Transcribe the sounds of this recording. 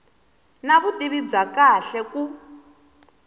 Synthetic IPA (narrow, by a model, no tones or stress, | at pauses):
naβutʼiβib͡ʐakaɬɛku